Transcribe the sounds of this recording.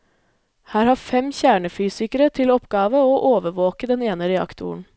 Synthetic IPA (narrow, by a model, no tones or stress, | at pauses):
hæːɾhɑːfɛmçæːɳəfyːsɪkəɾət̪ʰɪlɔpɡɑːʋəoːʔoːʋəʋoːkəd̪ɛneːnəɾɛɑ̰kt̪ʰʊ̰ɳ̩